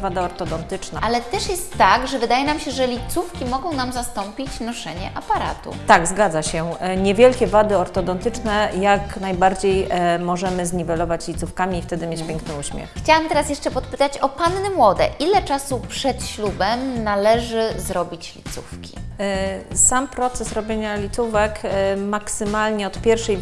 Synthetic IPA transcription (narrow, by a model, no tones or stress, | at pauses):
vad̪aɔɾt̪ɔd̪ɔnt̪ɘt͡ʂnaʔalɛt̪ɛʂjɛst̪ːaɡʐɛvɘd̪ajɛnamɕɛʐɛlʲit̪sufkʲimɔɡɔ̃w̃namzast̪ɔmpʲit͡ɕnɔʂɛɲɛ̰ʔapaɾa̰t̪ṵt̪aɡzɡad̪zaɕɛɲɛvʲjɛlkʲɛvad̪ɘɔɾt̪ɔd̪ɔnt̪ɘt͡ʂnɛjaknajbaɾd͡ʑejmɔʐɛmɘzɲivɛlɔvat͡ɕlʲit̪sufkamʲiːft̪ɛd̪ɘmjet͡ɕpʲjɛŋknɘuɕmʲjɛ̰xxt͡ɕawamt̪ɛɾasjɛʂt͡ʂɛpɔt̪pɘ̥t̪at͡ɕɔpanːɘmwɔd̪ɛ̰ʔʔilɛt͡ʂasupʂɛt̪ɕlubɛmnalɛʐɘzɾɔbʲit͡ɕlʲḭt̪sṵfkʲi̥ | sampɾɔt̪sɛsɾɔbʲjeɲalʲit̪uvɛkmaksɘmalɲɛɔt̪pʲjɛɾfʂɛj